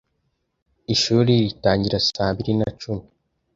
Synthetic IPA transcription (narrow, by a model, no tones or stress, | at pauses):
iʃuːɾiɾitaːɲɟiɾasaːβiɾinat͡ʃumi